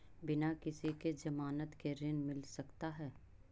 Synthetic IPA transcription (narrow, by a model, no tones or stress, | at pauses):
bɪnakɪsiked͡ʒɐmaːnət̪keɾɪnmɪlsɐkt̪aɦɛː